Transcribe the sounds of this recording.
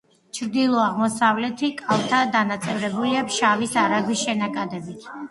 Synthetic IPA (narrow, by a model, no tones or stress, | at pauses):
t͡ʃʰɾd̪ilˠɔaʁmɔsavlɛt̪ʰikʼalˠt̪ʰad̪anat̪sʼɛvɾɛbuliapʰʃavisaɾaɡwisʃɛnakʼad̪ɛbit̪ʰ